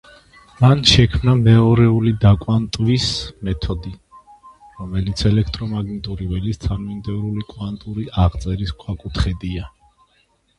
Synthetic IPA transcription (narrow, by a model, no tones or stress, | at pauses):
manʃɛkʰmnamɛɔɾɛulid̪akʼwant̪ʼvismɛt̪ʰɔd̪i | ɾɔmɛlit̪sʰɛlɛkʰt̪ʼɾɔmaɡnit̪ʼuɾivɛlist̪sʰʼanmind̪ɛvɾulikʼwant̪ʼuɾiʔaʁt̪sʼɛɾiskʼʰwakʼut̪ʰχɛd̪ia